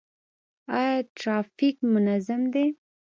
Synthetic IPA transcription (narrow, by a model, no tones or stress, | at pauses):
ɑjɑʈɾɑfikmʊnazamd̪e